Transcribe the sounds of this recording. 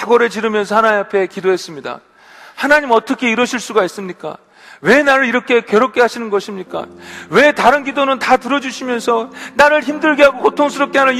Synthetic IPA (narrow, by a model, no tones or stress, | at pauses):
aɡʌɾe̞t͡ɕiɾɯmjʌnsʰʌhanaeapʰe̞kidoɦe̞s͈ɯmɲida̰ | hanaɲimʌt͈ʌkʰe̞iɾʌɕʰiɭs͈uɡais͈ɯmɲik͈a̰ | we̞naɾɯɭiɾʌkʰe̞kjʌɾop̚k͈e̞ɦaɕʰinɯnɡʌɕʰimɲik͈a̰we̞taɾɯnɡidonɯntatɯɾʌd͡ʑuɕʰimjʌnsʰʌnaɾɯɭçimdɯɭɡeɦaɡokotʰoŋsʰɯɾop̚k͈eanɯ